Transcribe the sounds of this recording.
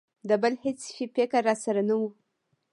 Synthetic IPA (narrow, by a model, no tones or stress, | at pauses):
d̪əbəlhet͡sfipekaɾːɑsaɾanawu